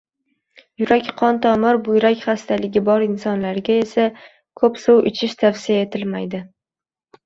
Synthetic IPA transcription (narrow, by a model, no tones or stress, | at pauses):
jʊɾakʲqʰɒnt̪ʰɒmɪɾbʊjɾakʲχast̪ʰalɪɡʲɪbɒɾɪnsɒnlaɾɡʲae̞sa | kʰɵpsowʔɪt͡ʃʰɪʃt̪ʰafsijae̞t̪ʰɪlmajd̪ɪ